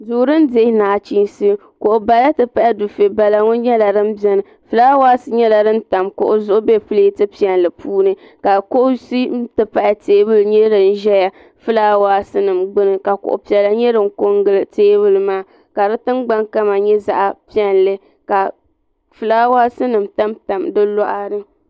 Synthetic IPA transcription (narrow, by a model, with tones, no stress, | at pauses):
zuː˨ɾɨ˦n˦de˦naː˨t͡ʃiː˦n˦si˦ | ko˨ʔʊ˨ba˨la˦tɨ˨pa˦ʔɪ˦du˨fe˨ba˨la˨ŋo˦ɲɛ˦la˨ɾɨ˦m˦bɛ˦nɨ˨ | fɨ˨laː˦waː˦sɨ˦ɲɛ˦la˨dɨ˦n˦ta˨mkʊ̰˨ʔʊ˨zʊ˦ʔʊ˦be˦pɨ˦leː˦tɨ˦pi˦˨ɛ˨nlɨ˨pʰuː˦nɨ˦ | ka˨ko˦ʔsi˦tɨ˨pa˦ʔɪ˨teː˦bɨ˦lɲɛ˦ɾɨ˨n̩˦ʒɛ˦ja˨ | fɨ˦laː˦waː˦sɨ˦nɨ˨mɡ͡bɨ˦nɨ˨ka˨kʊ̰˨ʔʊ̰˨pi˨ɛ˨la˦ɲɛ˦ɾɨ˨ŋ˦ko˦ŋɡɨ˦lɨ˦teː˦bɨ˦lɨ˦maː˦ | ka˨ɾɨ˦tɨ˦mɡ͡ba˦ŋka˦ma˨ɲɛ˦za̰˦ʔa˨pi˦ɛ˨nlɨ˦ | ka˨ | fɨ˨laː˦waː˦sɨ˦nɨ˨mta˦mta˨mdɨ˦lɔ˦ʔa˦ɾɨ˦